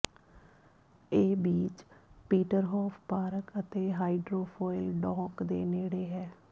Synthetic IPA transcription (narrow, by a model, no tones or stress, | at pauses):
eːbiːt͡ʃpiːʈəɾɦɔːpʰpaːɾəkət̪eːɦaːiɖɾoːpʰɔːɪlɖɔ̃ːkd̪ḛːneːɽeːɦɛː